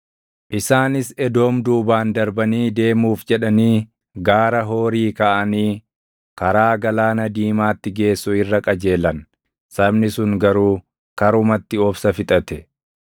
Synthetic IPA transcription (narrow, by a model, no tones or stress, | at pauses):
ʔɪsaːnɪsɛd̪o̞ːmd̪uːbaːnd̪ɐɾbɐniːd̪e̞ːmuːfd͡ʒɛᶑɐniː | ɡaːɾɐɦo̞ːɾiːkɐʔɐniː | kɐɾaːɡɐlaːnɐd̪iːmaːt̪ːɪɡe̞ːsːʊɪrːɐkʼɐd͡ʒe̞ːlɐn | sɐbnɪsʊŋɡɐɾuː | kɐɾʊmɐt̪ːɪɔbsɐfɪt̪ʼɐt̪ɛ